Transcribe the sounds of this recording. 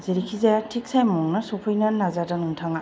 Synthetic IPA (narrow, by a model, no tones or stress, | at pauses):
zeɾikʰizajatʰik̚sajmamɔŋnɐsopʰɯjnɐnazadanuŋtʰaŋa